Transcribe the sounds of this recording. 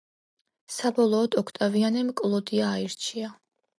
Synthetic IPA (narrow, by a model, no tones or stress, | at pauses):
sabɔlˠɔːd̪ɔkʰt̪ʼavianɛmkʼlˠɔd̪iaːiɾt͡ʃʰia